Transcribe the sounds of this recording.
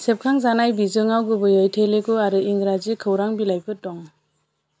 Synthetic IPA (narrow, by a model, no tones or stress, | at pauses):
sep̚kʰaŋzanajbizɯŋawɡɯbɯjajtʰeleɡuaɾɯiŋɡɾazikʰɯwɾaŋbilajbɯtɔŋ